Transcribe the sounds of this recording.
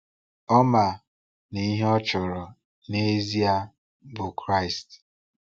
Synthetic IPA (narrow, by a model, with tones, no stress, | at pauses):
ɔ˦ma˨ | ni˨˦ɦe˦ɔ˦t͡ʃʊ˨ɾɔ˨ | ne˦zi˦a˦ | bʊ˨kɾa˦˨ɪ˨st